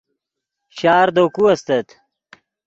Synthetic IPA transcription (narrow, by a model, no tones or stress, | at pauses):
ɕaːɾd̪okuɐst̪ɐt̪